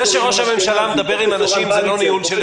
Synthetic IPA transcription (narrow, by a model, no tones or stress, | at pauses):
eʃeʁo̞ʃhame̞mʃalamed̪abe̞ʁimanaʃimzelo̞nijunʃel